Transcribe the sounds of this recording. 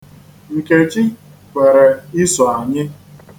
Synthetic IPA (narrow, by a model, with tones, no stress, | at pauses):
ŋ̩˨ke˨t͡ʃi˦ | kʷe˨ɾe˨ɪ˦sɔ˨a˨ɲɪ˦